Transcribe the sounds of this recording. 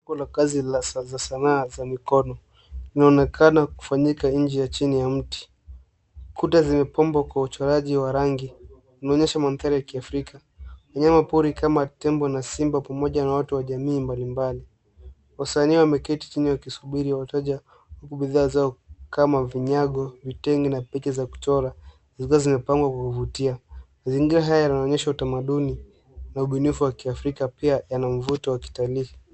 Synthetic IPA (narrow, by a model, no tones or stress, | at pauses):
ɔlakazizasanaːzamikɔnɔ | linaɔnɛkʰanaku̥faɲikaɲ̩d͡ʒɛjat͡ʃinijam̩ti̥ | kʰutazimɛpɔmbwakwaut͡ʃɔɾaʄiwaɾaŋɡi | wunaɔɲɛʃamanθaɾijakiafɾika | waɲamapuɾikamatɛmbɔnasimbapamɔʄanawatuwaʄamiːmbalimbali | wasaniwamɛkɛti̥t͡ʃiniwakisuɓiɾiwwatɔʄa | hukuɓiðaːzaɔkamaviɲaɠɔvitɛŋɡinapɛt͡ʃɛzaku̥tɔɾa | zikuazimɛpaŋɡwakwakuvutiamaziŋɡiɾaɦajajanaɔɲɛʃautamaɗuni | nauɓunifuwakiafɾikapiajanam̩vutɔwaki̥talii